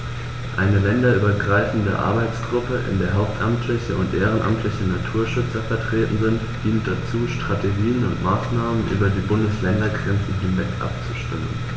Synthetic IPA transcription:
ʔaɪnəlɛndɐʔyːbɐɡʁaɪfn̩də̰ʔa̰ɐbaɪt͡sɡ̥ʁʊpəʔɪ̰ndeːɐɦaʊp̚tʔamtʰlɪçəʊntʔeːʁ̞ənʔa̰mtʰlɪçənatʰuːɐʃʏt͡sɐfɛɐtʁ̥eːtn̩zɪnt | d̥iːnt̚d̥at͡suːʃtʁ̥atʰeɡiːənʊntmaːsnaːmənʔy̰ːbɐdiːbʊndəslɛndɐɡʁɛnt͡sn̩ɦɪnvɛkʔa̰p̚t͡suʃtɪmən

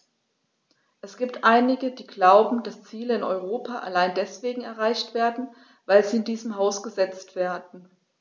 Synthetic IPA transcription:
ʔɛsɡ̥iːp̚tʔaɪnɪɡəd̥iːɡlaʊbm̩d̥ast͡siːləɪnɔ̰ʏʁoːpʰaʔa̰laɪndɛsv̥eːɡŋ̩ɛɐʁaɪçtv̥eːɐdn̩ | vaɪlziːɪndiːzəmɦaʊsɡ̥əzɛt͡stv̥eːɐdn̩

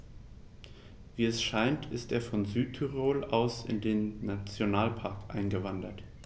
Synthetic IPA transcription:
viːɛsʃaɪntʰɪstḛːɐfɔnzyːtʰːyʁoːlʔaʊsɪ̰ndeːnːat͡sjonaːlpʰaɐkʔa̰ɪnɡəvandɐt

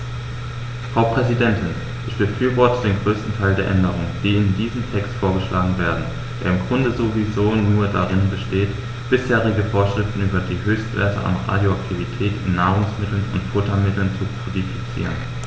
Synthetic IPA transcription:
fʁ̥aʊpʁ̥ɛzidɛntʰɪn | ʔɪçb̥əfyːɐvɔɐtʰədeːnɡʁøːstn̩tʰaɪldeːɐʔɛndəʁ̞ʊŋəd̥iːɪndiːzəm̩tʰɛkstfoːɐɡəʃlʔaːɡŋ̩veːɐdn̩ | d̥eːɐɪmɡʁʊndəzovizoːnuːɐdaʁɪnbəʃteːt | b̥ɪsheːʁɪɡəfoːɐʃʁ̥ɪftn̩yːbɐdiːɦøːçstv̥ḛɐtə̰ʔa̰nʁa̰ːdjoak̚tʰivitʰɛːtɪ̰nːaːʁ̞ʊŋsmɪtl̩nʊ̰ntfʊtɐmɪtl̩nt͡supʰodifit͡sḭːʁən

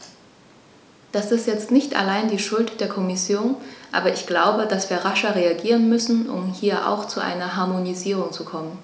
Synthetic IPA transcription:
d̥asɪstjɛt͡stnɪçtʔa̰laɪndiːʃʊltd̥eːɐkʰɔmɪsjoːnʔa̰ːbɐʔɪçɡ̥laʊbədasv̥iːɐʁaʃɐʁeaɡiːʁənmʏsn̩ʔʊ̰mhiːɐʔa̰ʊxt͡suʔa̰ɪnɐɦaɐmoniziːʁ̞ʊŋt͡sukʰɔmən

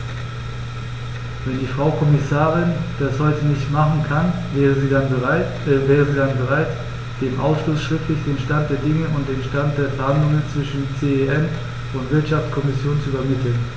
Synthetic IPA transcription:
vɛndiːfʁ̥aʊkʰɔmɪsaːʁɪnd̥ashɔʏtənɪçtmaχn̩kʰanɛʁəziːdanə | vɛːʁəziːdanbəʁ̞aɪt | d̥eːmʔaʊsʃlosʃʁ̥ɪftlɪçd̥eːnʃtant̚d̥eːɐdɪŋəʊnt̚d̥eːmʃtant̚d̥eːɐfɛɐhandlʊŋənt͡sv̥ɪʃn̩t͡seːeʔɛn | ʊntv̥ɪɐtʃaft͡skʰɔmɪsjoːnt͡suyːbɐmɪtl̩n

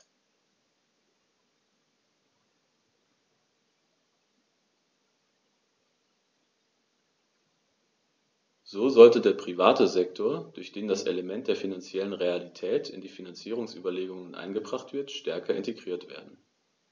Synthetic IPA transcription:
z̥oːzɔltədeːɐpʁ̥ivaːtəzɛktʰoːɐd̥ʊɐçd̥eːndasʔḛləmɛnt̚d̥eːɐfinant͡sjɛlənʁealitʰɛːtʰɪ̰ndiːfinant͡siːʁ̞ʊŋsʔyːbɐleːɡʊŋənʔa̰ɪnɡəbʁaχtv̥ɪɐtʃtɛɐkʰɐɪ̰nteɡʁiːɐtv̥ḛːɐdn̩

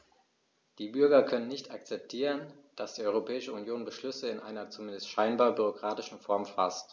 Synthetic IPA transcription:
d̥iːbʏɐɡɐkʰœnənːɪçtʰak̚t͡sɛp̚tʰiːʁənd̥asd̥iːɐʔɔʏʁopʰɛːɪʃəunjoːnbəʃlʏsəɪnʔaɪnɐt͡sumɪndəstʃaɪnbaːɐbyʁokʁ̥aːtɪʃn̩fɔɐmfa̰st

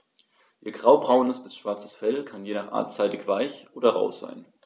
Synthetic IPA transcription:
ʔiːɐɡʁaʊbʁaʊnəsb̥ɪsʃv̥aɐt͡sə̥sfɛlkʰanjeːnaːχʔa̰ːɐtt͡saɪtɪçv̥aɪçʔoːdɐʁa̰ʊsz̥a̰ɪn

